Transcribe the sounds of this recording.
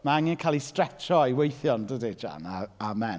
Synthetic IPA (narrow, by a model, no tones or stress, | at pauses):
maaŋɪnkʰalˠistrɛt͡ʃɔiwejθjɔndədid͡ʒa̰naamɛn